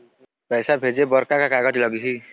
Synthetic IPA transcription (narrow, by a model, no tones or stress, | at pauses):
pɛjsabʱed͡ʒebɔɾkakakaɡɔʈilɔɡiɦi